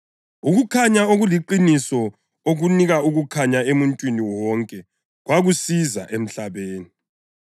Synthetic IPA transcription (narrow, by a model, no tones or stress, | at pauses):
uɣukʰaɲaoɣuliǃinisɔ | oɣuniɣauɣukʰaɲaemuntʼwiniwɔŋkʼɛ | ɣwaɣusiza̰ʔem̩ɬaβeːni